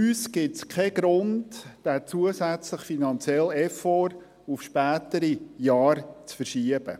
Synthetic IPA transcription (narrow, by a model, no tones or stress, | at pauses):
yːsɡ̥ɪtskʰɛɡ̥ɾʊndd̥æt͡suəsæt͡sləχfinɑnt͡sjɛlɛfɔɾ | ufʃpæːt̪əɾijɑːɾt͡sfəɾʃiəb̥ə̰